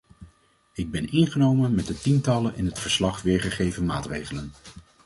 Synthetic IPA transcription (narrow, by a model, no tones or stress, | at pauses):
ɪɡ̚bɛnɪnχənowmənmɛt̚dətintɑlənʔɪnɦətfəɹslɑχʋɪːɹχəχejvənmaːtrejχələn